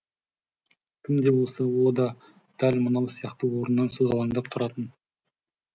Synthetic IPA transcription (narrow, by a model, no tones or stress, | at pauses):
kʲʰɪmd̪e̞wo̞lˠsəwod̪ɑ | d̪̥ælmənɑwsijɑqt̪əwo̞ɾənːɑnsozɑlˠɑŋd̪ɑp̚t̪ʰʊɾɑt̪ən